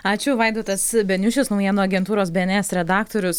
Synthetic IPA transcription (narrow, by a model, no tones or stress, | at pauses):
ɑːt͡ʃʲʊʋɐɪd̪oːt̪ɐsbʲɛnʲʊʃʲɪsnɔʊjiɛnoːɐɡʲɛnt̪uːɾoːsbʲeɛɛnʲɛːsɾʲɛd̪ɑːk̚t̪oːɾʲʊs